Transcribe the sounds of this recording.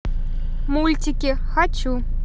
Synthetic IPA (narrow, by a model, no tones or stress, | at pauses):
mulʲtʲikʲi | xat͡ɕːu